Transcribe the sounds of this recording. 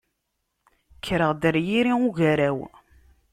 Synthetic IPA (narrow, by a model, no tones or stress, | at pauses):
kʰːɾəʁd̪əɾjiɾiuʝæɾæw